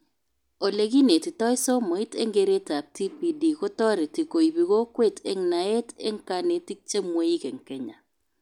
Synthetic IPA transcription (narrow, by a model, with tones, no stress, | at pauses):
o˨le˨ɡi˦ne˨ti˨tɔ˦ɪ˦so˦mɔ˨i˦tḛ˦ŋɡe˨ɾe˦ta˨p̚ti˦pi˦di˨kɔ˦tɔ˦ɾɛ˨ti˨ko˨i˨bi˨ɣo˦kwe˦˨tʰe˨˦ŋna˨e˦tḛ˦ŋ˦ka˦ne˨ti˦k̚t͡ʃe˦mwe˦i˦kɛ˨ŋkɛ˦ɲa̰˨